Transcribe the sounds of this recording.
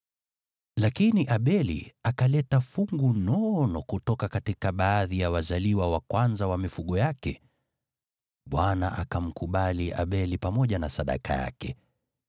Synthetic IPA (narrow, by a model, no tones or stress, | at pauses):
lakiniʔaɓɛlḭakalɛtafuŋɡunɔnɔkutɔkakatikaɓaːðijawazaliwawakwanzawamifuɠɔjakɛ | ɓwanaʔakam̩kuɓaliʔa̰ɓɛlipamɔʄanasaɗa̰kʰa̰ja̰kɛ